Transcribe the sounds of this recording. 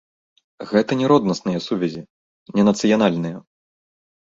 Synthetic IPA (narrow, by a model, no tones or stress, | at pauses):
ɣɛt̪ɐnʲɛɾɔd̪nɐsnɨjɐsuvʲɛzʲi | nʲɛnɐt̪sɨjanalʲnɨjɐ